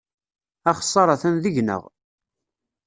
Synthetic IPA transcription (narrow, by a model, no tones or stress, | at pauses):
æχə̥sˤːɑɾˤɑθænðəʝnə̰ʁ